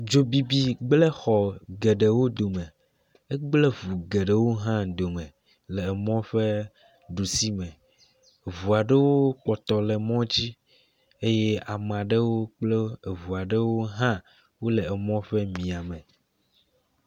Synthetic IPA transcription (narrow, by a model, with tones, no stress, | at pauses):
d͡ʒo˨bi˨bi˦ɡ͡blɛ˦xɔ˨ɡe˨ɖe˨wo˦d̪o˨mɛ̃˨ | e˦ɡ͡ble˦vu˨ɡe˨ɖe˦wo˦ɦã˦d̪o˨mɛ̃˨ | lɛ˨ɛ˨mɔ̃˦ɸe˦ | ɖu˨si˦mɛ̃˨ | vu˨a˨ɖe˦wo˦k͡pɔ˨t̪ɔ˨lɛ˨mɔ̃˦d͡ʑi˦ | e˦je˦a˨m˨a˨ɖe˦wo˦k͡ple˦e˨vu˨a˨ɖe˦wo˦ɦã˦ | wo˦lɛ˨ɛ˨mɔ̃˦ɸɛ˦mĩ˨a˨mɛ̃˨